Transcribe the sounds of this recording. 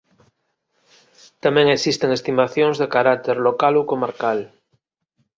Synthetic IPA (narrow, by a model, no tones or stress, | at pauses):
t̪amẽŋesist̪e̞ŋest̪imaθjoŋzðekaɾak̚t̪eɾlokalokomaɾkal